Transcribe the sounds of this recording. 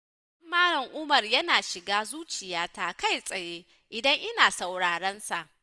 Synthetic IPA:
ɐ˦mːaː˦ɾɐ˨ŋʔʊ˦mɐ˨rjɐ˦naː˨ʃɪ˨ɡaː˦zuː˦t͡ʃɪ˨jaː˦taː˦ka˦jsʼɐ˨jeː˦ | ʔɪ˨dɐ˦ŋʔɪ˦naː˨sa˨wɽaː˨ɽɐ˦nsa˨ʔ

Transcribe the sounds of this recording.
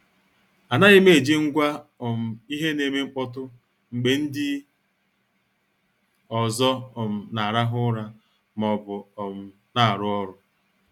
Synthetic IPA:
a˨na˦ɣɪ˦me˨d͡ʒi˦ŋ̩˦ɡʷa˦ɔ˨m̩˨i˦ɦe˦ne˨me˦ŋ͡m̩˦k͡pɔ˦t̬ʊ˦ | ŋ͡m̩˨k͡pe˨n̩˦dɪ˦ | ɔ˨zɔ˦ɔ˨m̩˨na˨ɾa˦ɦʊ˦ɾa˦ | m˨ɔ˨bʊ˨ɔ˨m̩˨ | na˨a˨ɾʊ˦ɔ˦ɾʊ˦

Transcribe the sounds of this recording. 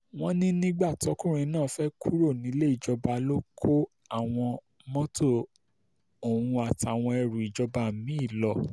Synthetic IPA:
w̃ɔ̃˦nĩ˦nĩ˦ɡ͡ba˦˨tɔ˨˦kũ˦ɾ̃ĩ˧˦nãː˦˨˦fɛ˦kʰu˦ɾo˦˨nĩ˨˦le˦i˦˨d͡ʒɔ˧ba˧lo˦kʰo˦ | a˦˨w̃ɔ̃˧ | mɔ̃˦to˦˨ | o˨wũ˨˧a˨ta˨w̃ɔ̃˧ɛ˧ɾu˨i˨d͡ʒɔ˧ba˧mĩ˨˦˨lɔ˧˨

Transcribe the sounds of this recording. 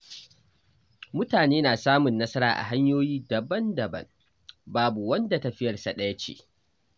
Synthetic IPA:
mʊ˦taː˨neː˦naː˨saː˦mʊ˨nːɐ˦sɐ˦ɾa̰ː˨ʔa̰˨ɦa˦ɲjoː˦jiː˦dɐ˨bɐ˦ndɐ˨bɐ̰˦ŋ | baː˦bu˨wɐ˦nda˨tɐ˨ɸɪ˦jɐ˨rsa˨ɗɐ˦jɐ˦t͡ʃḛː˨ʔ

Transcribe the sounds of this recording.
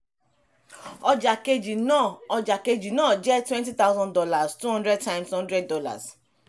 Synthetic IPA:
ɔ˧d͡ʒa˨ke˧d͡ʒi˨nã˦˨ɔ˧d͡ʒa˨ke˧d͡ʒi˨nãː˦˨d͡ʒɛ˦twɛ̃˦nti˦t̪a˦wzɔ̃˦ndɔ˦la˨stu˦ɦɔ̃˦ndɾɛ˦d̚tã˦j̃mshɔ̃˦ndɾɛ˦d̚dɔ˦la̰˨s

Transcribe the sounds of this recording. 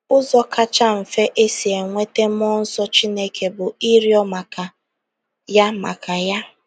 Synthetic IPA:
ʊ˦zɔ˦ka˦t͡ʃa˦m̩˨fe˦ʔe˦si˨e˨ŋʷe˦te˦m˦ɔ˦n̩˦sɔ˦t͡ʃi˦ne˦kʰe˨bʊ˨i˦ɾjɔ˦ma˨ka˨ | ja˦ma̰˨ka˨ja˦

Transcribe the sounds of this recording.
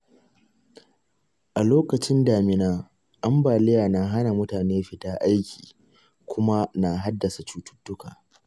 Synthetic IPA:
ʔa˨loː˦kɐ˨t͡ʃɪ˦ndaː˨mɪ˨naː˦ | ʔa˦mbaː˨lɪ˦jaː˨na˨ɦa˦na˨mʊ˦taː˨neː˦ɸɪ˨taː˦ʔa˦jkʲi̥ː˨ | kʷʊ˦ma˦na˨ɦa˦dːɐ˨sa˨t͡ʃuː˦tʊ̥˦tːʊ˦kaː˨

